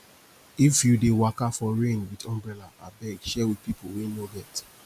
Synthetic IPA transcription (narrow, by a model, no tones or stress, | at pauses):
ifjudewakafɔɹẽnwidɔ̃mbɹɛlaabɛɡʃɛwid̚pipowenobɛt